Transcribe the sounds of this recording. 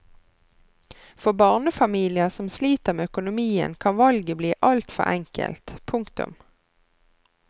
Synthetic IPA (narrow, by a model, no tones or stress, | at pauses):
fɔbɑːʁnəfɑmiːlɪəsɔmsliːt̪əʁmeːœkʊnʊmiːə̰nkʰɑnʋɑlɡəbliːʔɑlt̪fɔ̰ʁɛŋkə̰lt̪pʰʊŋkt̪ʊ̰m